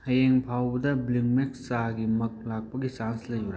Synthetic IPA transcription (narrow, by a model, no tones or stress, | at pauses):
hɐjeŋpʰawbɐdɐbliŋmek̚saɡimɐk̚lak̚pɐɡisanslɐjɐɾa